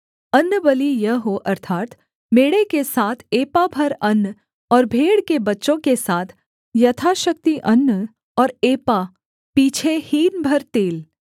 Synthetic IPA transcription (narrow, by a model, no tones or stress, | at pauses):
ɐnːəbəlijɐɦoʔɐɾt̪ʰaːt̪ | meːɽekesaːt̪ʰeːpabʱɐɾɐnː | ɔːɾbʱeːɽkebɐtːʃõkesaːt̪ʰ | jɐt̪ʰaʃɐk̚t̪iʔɐnː | ɔːɾeːpa | piːt͡ʃʰehiːnbʱɐɾt̪eːl